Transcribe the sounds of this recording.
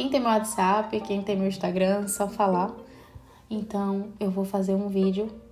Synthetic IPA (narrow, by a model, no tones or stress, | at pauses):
kẽj̃t̪ẽj̃mewat̪ɪzapɪkẽj̃t̪ẽj̃mewĩʃt̪aɡɾɐ̃sɔfala | ẽnt̪ɐ̃w̃ewvowfazeɾũvid͡ʒjʊ